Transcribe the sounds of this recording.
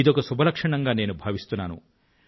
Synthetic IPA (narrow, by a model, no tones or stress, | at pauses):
id̪ɔkusubʱɐlɐkʂɐɳ̃ɐŋɡaːneːnubʱɐʋist̪unːaːnṵ